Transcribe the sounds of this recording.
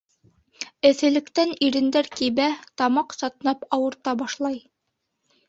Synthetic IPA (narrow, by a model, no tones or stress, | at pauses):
ɘ̆θɘ̆lɘ̆kt̪æniɾɘ̆nd̪æɾkiβæt̪ɑmɑqsɑt̪nɑpɑwɤ̆ɾt̪ɑbɑʃlˠɑj